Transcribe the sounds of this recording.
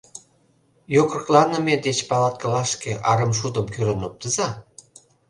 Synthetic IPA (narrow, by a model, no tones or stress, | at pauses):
jokrklɑnə̆med̪et͡ɕpɑlɑt̪̚kə̆lɑʃkeʔɑɾəmʃ̬ud̪əmkyɾənop̚t̪əzɑ